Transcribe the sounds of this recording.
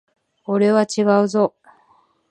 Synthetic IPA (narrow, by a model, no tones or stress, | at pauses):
oɾe̞βat͡ɕiɡaɯ̟zo̞